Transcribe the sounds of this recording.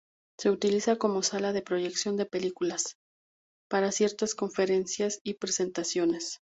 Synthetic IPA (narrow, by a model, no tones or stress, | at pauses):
se̞ut̪ilisako̞mo̞salaðe̞pɾo̞ʝe̞ksjo̞nd̪e̞pe̞likulas | paɾasje̞ɾt̪asko̞ɱfe̞ɾe̞nsjasipɾe̞se̞nt̪asjo̞ne̞s